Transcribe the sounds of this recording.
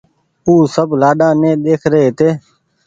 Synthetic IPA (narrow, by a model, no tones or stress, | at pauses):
uːsəblaːɗãːnẽːd̪eːkʰɾəeːt̪eː